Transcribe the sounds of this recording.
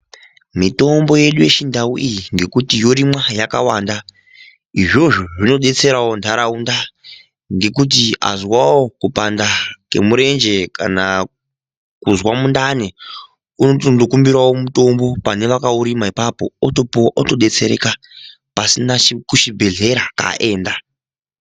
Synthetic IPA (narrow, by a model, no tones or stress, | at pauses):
mito̞mbo̞je̞ɗuje̞ʃindawuʔijiŋɡe̞kutijo̞ɾimwajaka̰waːnda | iʐo̞ʐoʐino̞ɗe̞t͡se̞ɾawo̞ndʱaɾaunda | ŋɡe̞k̬ut̬ia̰zwawokupandake̞̰muɾe̞nd͡ʒe̞kana | kuzwamundane | unotondokumbiɾawo̞muto̞mbo̞pane̞ʋakauɾimaipapo̞̰otopoʔoto̞ɗe̞t͡se̞ɾḛka | pasinakuʃibʱe̞ɮe̞ɾaka̰ʔe̞ːnda